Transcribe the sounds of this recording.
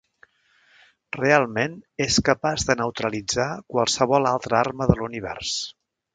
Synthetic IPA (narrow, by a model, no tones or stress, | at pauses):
realˠmeneskəpazðənəwt̪ɾəlid͡zakwəlˠsəβɔlˠalˠt̪ɾəarməðəluniβɛ̰rs